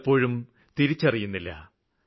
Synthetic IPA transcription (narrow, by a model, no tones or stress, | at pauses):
pːo̞ːɻum | t̪iɾit͡ɕːɐrijunːilːɐ̰